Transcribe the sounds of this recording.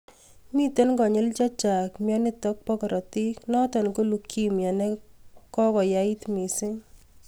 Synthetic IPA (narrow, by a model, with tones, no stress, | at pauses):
mi˦t̪o˦nɡɔ˨ɲɪ˦lt͡ʃa˦t͡ʃa˨kmja˦nɪ˦tɔ˦k̚pɔ˦kɔ˨ɾɔ˨tɪ˦knɔ˦tɔ˨nko˦lu˨kʰːi˦mja˨nɛ˦kɔ˦kɔ˨ja˦ɪ˦tmi˨sɪ˦